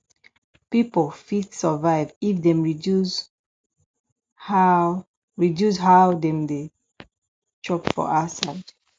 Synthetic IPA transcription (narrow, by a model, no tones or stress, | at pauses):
pipolfidsəvaɪvifdɛ̃mɹidus | ha | ɹidjusɦaʊdɛ̃mde | t͡ʃɔpfɔ̰ʔasaɪd